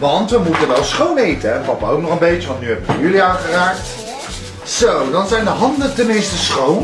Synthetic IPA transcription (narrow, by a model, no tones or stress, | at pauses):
ʋɑntʋəmutənʋɛlˠsχownejtənɛnpɑpaowknɔχəmbejt͡ʃəʋɑntnyɦɛbəkʋəjyliaːχəraːk̚t | z̥owdɑnzɛjndəɦɑndətəmɪnstəsχown